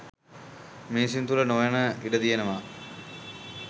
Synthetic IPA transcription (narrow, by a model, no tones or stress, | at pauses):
meːsint̪ulənojanəiɖəd̪ijenəʋa